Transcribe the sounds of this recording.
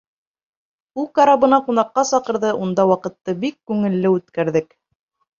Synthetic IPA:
ulˠkɑɾɑβɤ̆nɑqunɑqːɑsɑqɤ̆ɾðɤʔund̪ɑwɑqɤ̆t̪ːɤbikːʉŋɘ̆lːɘʉt̪kæɾðɘk

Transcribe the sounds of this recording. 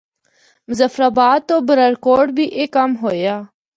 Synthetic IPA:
mʊzəfɾaːbaːd̪̚t̪oːbəɾəɾkoːɖbʱiːʔekːəmɦoːjaː

